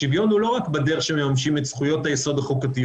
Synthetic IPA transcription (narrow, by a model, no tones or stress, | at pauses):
ivjo̞nhulo̞ʁakbad̪eʁeχʃememamʃimetsχujo̞tajeso̞d̪aχukat̪ij